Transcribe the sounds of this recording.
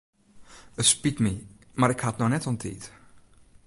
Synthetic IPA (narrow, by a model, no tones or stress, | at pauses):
ətspitmi | maɾɪkhatnɔxnɛtɔntʰiːt